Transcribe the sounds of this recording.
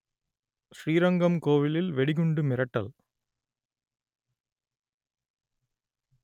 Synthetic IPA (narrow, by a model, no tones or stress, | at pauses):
ʃriːɾɐŋɡɐmkoːʋɪlɪlʋɛɽɪɣɯɳɖɯmɪɾɐʈːɐ̰l